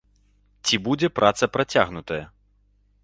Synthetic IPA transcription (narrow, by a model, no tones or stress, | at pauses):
t͡sʲibud͡zʲɛpɾʔat̪sɐpɾat͡sʲa̰ɣnut̪ɐjɐ